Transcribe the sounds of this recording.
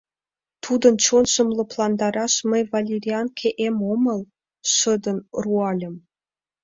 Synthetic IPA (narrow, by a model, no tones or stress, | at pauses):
t̪ʰud̪ɤ̆nt͡ɕonʃɤ̆mlˠɤ̆plˠɑnd̪ɑɾɑʃmə̆jvɑlʲerʲiɑnkʰʲeʔemomɤ̆lˠ | ʃɤ̆d̪ɤ̆nruɑlʲə̆m